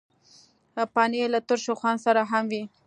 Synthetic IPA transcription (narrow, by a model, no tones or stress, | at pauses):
pɑnelat̪ʊɾʃoxwansaɾaɦamwi